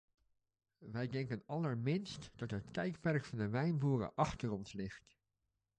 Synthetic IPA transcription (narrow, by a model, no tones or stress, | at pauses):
ʋɛjdɛŋkənɑləɹmɪnstd̥ɑtɦət̚kɛjkpɛɹkfɑndəʋɛjnbuːrə̰ʔɑχtəɹɔnslɪχt